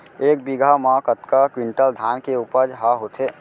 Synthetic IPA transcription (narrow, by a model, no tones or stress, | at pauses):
eːk̚biɡʱəmɔ̃kət̪kəkwiɳʈəld̪ʱankeupəd͡ʒɦəɦot̪ʰe